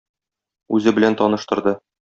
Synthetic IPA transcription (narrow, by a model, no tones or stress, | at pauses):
ʉzɘbɘ̆lænt̪ɒnɤ̆ʃt̪ɤ̆ɾd̪ɤ